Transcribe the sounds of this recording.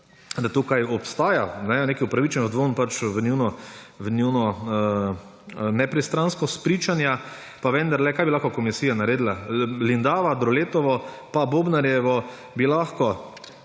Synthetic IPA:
d̪at̪ukajɔpst̪aːjanɛneːkiupɾaʋit͡ʃɛnzd̪ʋonpat͡ʃʋəniwnɔʋənʲinɔ | nɛpɾɛst̪ɾanskɔspɾiːt͡ʃanja | paʋɛ̃nd̪aɾlɛkaːjbilaxkɔkɔmisiːjanaɾeːd̪lalind̪aːʋad̪ɾɔleːt̪ɔʋɔ | paboːbnaɾjɛʋɔ | bilaxkɔ

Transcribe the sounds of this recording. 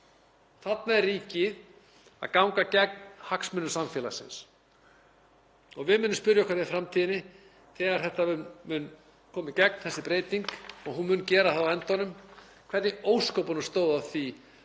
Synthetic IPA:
θat̪naɛɾriːcɪð | a̰ðkawŋkacɛk̚nhaksmʏnːʏsamfɛːla̰sɪ̰ns | ɔɣvɪðmʏːnːʏmspʏɾjakʰvaɾɪfɾamt̪ʰiːðɪnɪ | θɛːɣaɾ̥θɛht̪aʏmʏn | kʰɔːmɪcɛk̚nθɛsːɪpɾeːjt̪iŋkɔɣɦunmʏːncɛːɾaθawaɛnt̪ɔnʏm | kʰvɛɾt̪ɪoːwskowpanʏst̪oːwðaθi

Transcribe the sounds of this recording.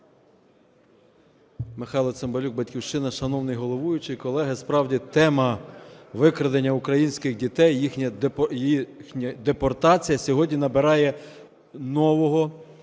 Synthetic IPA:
mɪxɑjlˠɔsembɐlʲuɡ̚bɐtʲkʲiwʃɪnɐʃɐnɔwnɪjɦɔlˠɔʋujʊt͡ʃɪjkɔlˠɛɦɪspɾɑwdʲit̪ɛmɐʋɪkɾɐd̪enʲːɐʊkɾɐjinʲsʲkɪxdʲit̪ɛjixnʲɐjixnʲɐd̪epɔrt̪ɑt͡sʲijɐsʲɔɦɔdʲnʲinɐbɪɾɑjɛ | nɔʋɔɦɔ

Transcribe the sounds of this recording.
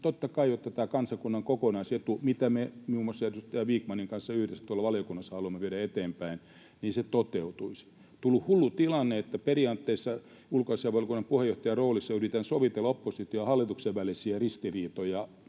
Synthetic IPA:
t̪ot̪ːɑkɑijot̪ːɑt̪æːkɑnsɑkunːɑŋkokonɑiset̪umit̪æmemiumːosːɑersyst̪ɑjɑʋiːkmɑniŋkɑnsːɑyhdesːæ̥t̪uolːɑʋɑljokunːɑsːɑhɑluɑmːeʋieɾæet̪eːmpæin | niːnset̪ot̪eut̪uisi̥ | t̪ulːuhhulːut̪ilɑnːeet̪ːæperiɑnt̪ːeisːɑ | ulkoisiɑʋɑljokunːɑmpuhejoht̪ɑjɑroːlisːɑyrit̪ænsoʋit̪elːɑopːosit̪ioɑhɑlːit̪ukseʋʋælisiærist̪iriːt̪ojɑ

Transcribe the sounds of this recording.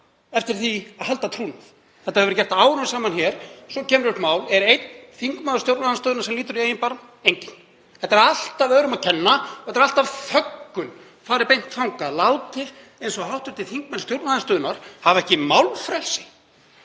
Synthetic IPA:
ɛft̪ɪɾ̥θiaðɦalt̪at̪ʰɾuːnaθ | θɛht̪aɛvɾcɛr̥t̪aaːwɾʏmsaːmançɛɾ̥sɔcʰɛːmɾʏht̪maːwlɛɾejt̪nθiŋkmaːðʏ̥st̪jowɾnaðast̪œːðʏnaɾsɛmliːt̪ʏɾiejɪnpaɾ | ejɲcɪn̥ | θɛt̪ːaɾal̥t̪avœːɾʏmaðcʰɛnːaθɛ̥t̪ːɾal̥t̪avfœkːʏn | faːɾɪɾpejn̥t̪fawŋkalawt̪ɪ | ejnsɔɦawht̪ʏɾ̥t̪ʰɪlθiŋkmalst̪jowɾt̪aðast̪œːðʏnaɾ̥havɛhcɪmawlfɾɛlsɪ̥

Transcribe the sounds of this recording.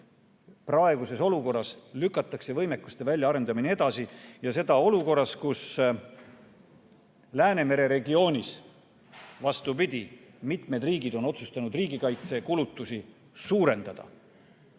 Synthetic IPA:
prɑe̞ɡ̥use̞so̞luko̞rːɑslykːˑɑt̪ːˑɑkse̞vɤjmekːˑu̥st̪e̞vælʲjɑɑɾe̞nd̪̥ɑminee̞d̪̥ɑsijɑse̞d̪̥ɑo̞luko̞rːɑskus | læːne̞me̞ɾe̞ɾe̞ɡio̞ːnʲis | vɑst̪upid̪̥ʲi | mit̪me̞d̪riːɡid̪o̞no̞t̪sust̪ɑnud̪riːɡikɑjt̪se̞kulut̪ːˑusi | suːɾe̞nd̪̥ɑd̪̥ɑ̰

